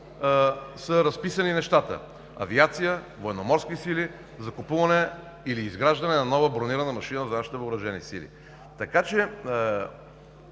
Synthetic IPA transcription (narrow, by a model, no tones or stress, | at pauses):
səɾɐspisəninɛʃt̪at̪ə̰ | ɐ̰viat̪sijə | voɛnomɔɾskisili | zɐkupuvɐnɛ | iliːzɡɾaʒd̪ɐnɛnɐnɔvəbɾoniɾənəmɐʃinəzɐnaʃi̥t̪ɛvobɾɐʒɛnḭsḭlḭ | t̪ɐkat͡ʃɛ